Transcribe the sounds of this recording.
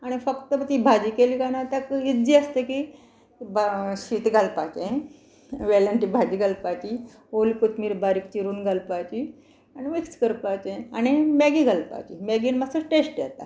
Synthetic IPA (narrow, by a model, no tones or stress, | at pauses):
aɽ̃ifəkt̪əbt̪iːbʱad͡ʑiːkeliːkanat̪akid͡ʑiːəst̪eki | bɕiːt̪ɡʱalpat͡ɕẽ | ʋɛləɳʈiːbʱad͡ʑiːɡalpat͡ɕi | olikut̪miːɾbaɾik̚t͡ɕiɾuːnɡʱalpat͡ɕi | animikskəɾpat͡ɕeaɽ̃imaɡiːɡʱalpa̰t͡ɕimaɡiːnməsəʈesʈjɛt̪a